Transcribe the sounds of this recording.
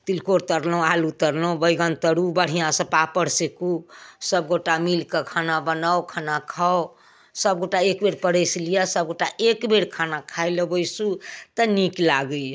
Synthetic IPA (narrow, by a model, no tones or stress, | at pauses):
t̪ilkoɾt̪əɾlũalut̪əɾlə̃bəjɡənt̪əɽubəɽ̤ijãsə̃papəɽsekusəb̚ɡoʈamilkekʰanabənawkʰanakʰao | səb̚ɡoʈaekbeɾpəɽəjslijasəb̚ɡoʈaʔekbeɽkʰanakʰajləbəjsut̪əniklaɡə